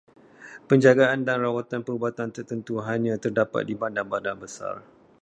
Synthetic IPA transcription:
pəɲd͡ʒaɡaandanrawat̪anpəɾubat̪ant̪ərt̪ənt̪uɦaɲãt̪ərdapa̰t̪̚dibandanbadanbəsa̰r

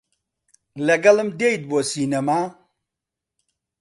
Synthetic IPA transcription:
leɡɐləmdeid̪̚bosinɐma

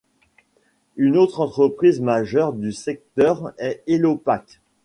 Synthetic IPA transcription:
ynot̪χɑ̃t̪χəpχizmaʒœʁd̪ysɛk̚t̪œʁɛelopak

